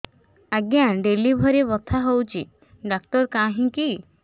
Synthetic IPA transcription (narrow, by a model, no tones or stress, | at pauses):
aɡjãɖelibʱɔɾebɔt̪ʰaɦowt͡ʃḭ | ɖakʈɔɾkãɦĩki